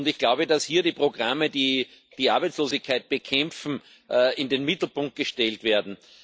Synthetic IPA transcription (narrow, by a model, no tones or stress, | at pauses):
ʊndɪçɡ̥laʊbədashiːɐɾiːpʁ̥oɡ̥ʁamədiː | d̥iːaɐbæɪt͡sloːzɪçkʰaɪt̚b̥əkʰɛ̃mfn̩ | ɪndenmɪtl̩pʊ̃ŋk̚t̚ɡ̥əʃtɛltv̥eːɐdn̩